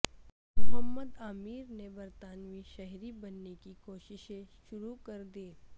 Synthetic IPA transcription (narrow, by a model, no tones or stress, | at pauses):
mʊɦəmːəd̪aːmiːɾnebɐɾt̪aːnmĩʃɛɦɾibɐnːekikoːʃɪʃẽʃʊɾukɐɾd̪iː